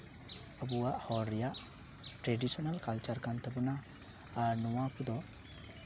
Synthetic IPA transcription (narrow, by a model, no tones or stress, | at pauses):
əbuwaʔhɔɾːɛjaʔ | ʈɾeɖisɔnalkalt͡ʃaɾkant̪ɛbɔnaː | ɾnɔwapd̪ɔ